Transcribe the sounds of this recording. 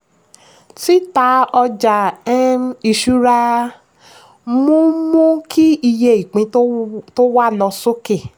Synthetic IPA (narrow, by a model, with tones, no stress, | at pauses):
ti˦ta˧˦ɔ˧d͡ʒa˨ɛ˦˧mi˧ʃu˦ɾa˧ | mõ˦mõ˦kʰi˦i˧je˧˨i˨k͡pĩ˨˦to˦wa˦lɔ˧so˦ke˦˨